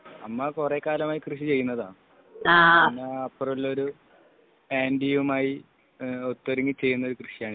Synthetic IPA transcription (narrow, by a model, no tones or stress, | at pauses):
ɐmːɐkure̞ːkaːlɐmaːjikrɨɕit͡ɕe̞jːunːɐðaːɳ | aːnːaɐpːoruɭːoɾu | eːndijʋumaːji | ot̪ːoɾiŋɡit͡ɕe̞jːunːɐo̞ɾukrɨɕijaːɳɨ